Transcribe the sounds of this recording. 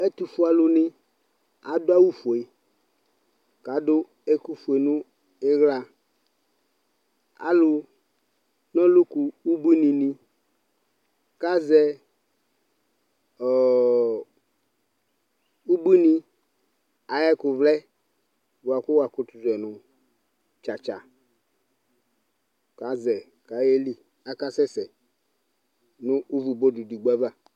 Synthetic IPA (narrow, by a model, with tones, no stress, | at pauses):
e˦t̪u˨fu˦a˨lʊ˨nɪ̃˦ | a˨dʊ˦a˦wu˦fu˨e˨ | ka˨dʊ˦ | e˦ku˦fu˨e˨nũ˦ | e˦ɣla˦ | a̰˦lʊ˨ | nɔ̃˦lʊ˦ku˨wu˦bi˦nĩ˨nĩ˦ | ka˦zɛ˦ | ɔ˨ | u˦bi˦nĩ˦ | a˨jɛ˦ku˨vlɛ˦ | vu˨a˨ku˦wa˨ku˦tu˨zɛ˨nũ˨ | t͡ʃa˨t͡ʃa˨ | ka˦zɛ˨ | ka˨je˦li˦ | a˦ka˦sɛ˦sɛ˨ | nũ˦ʔu˦vu˨bo˦du˨du˨ɡ͡ba˦va˦˨